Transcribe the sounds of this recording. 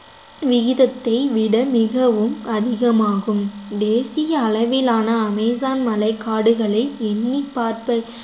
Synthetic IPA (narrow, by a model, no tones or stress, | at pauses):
ʋɪɣɪðɐt̪ːɐɪʋɪɽɐmɪɣɐʋɯmɐðɪɣɐmaːɣɯmd̪eːsɪjɐːɭɐʋɪlaːnɐːmɛːs̬aːnmɐlɐɪkːaːɽɯɣɐɭɐɪɛnːipːaːɾpɐ